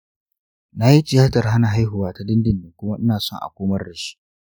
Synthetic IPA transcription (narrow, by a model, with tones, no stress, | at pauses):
na˦ji˦tɪ˨jaː˦tɐ˨rɦa˦na˨ɦa˦jɦʊ˨waː˦ta˦dɪ˦ndɪ˨ndɪ˨ŋkʷʊ˦ma˦ʔɪ˦naː˨sɔ˦ŋʔa̰˨kʷoː˦mɐ˦rɽɐ˨ʃi̥˦